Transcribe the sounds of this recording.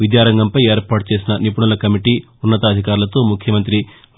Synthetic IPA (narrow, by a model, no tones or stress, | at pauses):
ʋid̪jaːɾɐŋɡɐmpɐje̞ːɾpaːʈut͡ʃe̞ːsinɐnip̬uɳulɐkɐmiʈiː | unːɐt̪ɐːd̪ʱikaːɾulɐt̪o̞ːmukʰjɐmɐnt̪ɾi